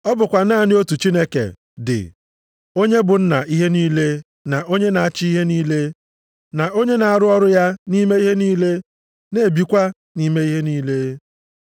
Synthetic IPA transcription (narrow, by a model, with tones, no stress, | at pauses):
ɔ˦bʊ˨kʷa˨na˦˨nɪ˦o˦tu˨t͡ʃi˦ne˦kḛ˨ | dɪ̰˨ | o˦ɲe˦bʊ˨n̩˦na̰˨i˦ɦe˦niː˦le˦ | na˨ʔo˦ɲe˦na˨a˦t͡ʃɪ˦i˦ɦe˦niː˦le˦ | na˨ʔo˦ɲe˦na˨a˦ɾʊ˦ɔ˦ɾʊ˦ja˦ni˦me˦i˦ɦe˦niː˦le˦ | ne˦˨bi˦kʷa˦ | ni˦me˦i˦ɦe˦niː˦le˦